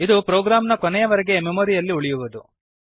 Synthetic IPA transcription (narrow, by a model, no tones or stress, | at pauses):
id̪upɾoːɡɾaːmnɐkɔnɛjɐʋɐɾeɡe̞memoɾijɐlːiuɭijuʋud̪u